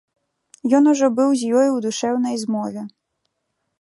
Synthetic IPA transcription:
jɔnuʐɔbɨwzʲjɔjuwd̪uʂɛwnɐjzmɔvʲɛ

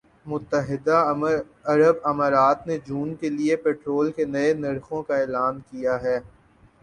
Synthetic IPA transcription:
mʊt̪ːəɦɪd̪a | ɐɾəbɐmaːɾaːt̪ned͡ʒuːnkeliepeːʈɾoːlkenɐenɐɾxõkaɛːlaːnkijaɦɛː

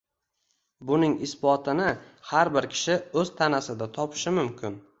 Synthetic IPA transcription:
bʊnɪŋɪsbɒt̪ʰɪnɪ | haɾbɪɾkʲʰɪ̥ʃɪɵzt̪ʰanasɪd̪at̪ʰɒpʰɪ̥ʃɪmʊmkʲʰɪn

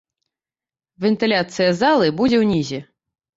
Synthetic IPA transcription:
vʲɛnt̪ɨlʲat̪sɨjɐzalˠɨbud͡zʲɛwnʲizʲɛ

